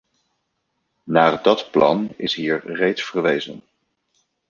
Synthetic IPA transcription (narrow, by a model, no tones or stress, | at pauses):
naːdɑtplɑ̰nɪ̰sɦiːɹrejtsfəɹʋejzə̰n